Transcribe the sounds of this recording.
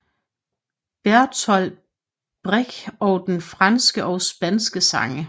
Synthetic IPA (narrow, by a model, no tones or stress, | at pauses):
b̥æɐ̰t͡sʰɒl | b̥ʁeɡ̥ɒ̽ʊd̥enfʁɑ̈nsɡ̥əʔɒʊsb̥ænsɡ̥əsɑ̈ŋə